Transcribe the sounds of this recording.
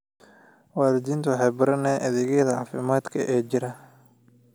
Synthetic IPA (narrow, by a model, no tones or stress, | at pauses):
wɑːðɪd̪iːnt̪ʰɐwɑħɑjbɐɾɐnɛːʔɐðɪɣɛːðɐʕɑːfɪmaːd̪kʰɐʔɛːd͡ʒɪɾɐ